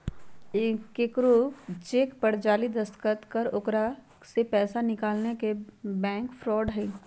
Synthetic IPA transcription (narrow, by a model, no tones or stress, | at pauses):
kːekɾot͡ʃeːkpɐɽd͡ʒaːlid̪ɐskət̪kɐɾʊkɾa | sepɛːsanɪkaːlnekebɛ̃ːŋkfɾɔːɖɦɛ̃ː